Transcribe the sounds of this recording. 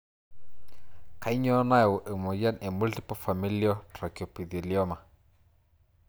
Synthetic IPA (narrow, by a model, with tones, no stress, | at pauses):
ka˨˦i˦ɲɔ˦na˦jwʔe˨mo˨ja˦ne˨mu˦lɬi˦po˦fa˨mi˦li˦ɔ˦tra˨ki˨o˨pi˨ði˨li˨˦ɔ˦ma˨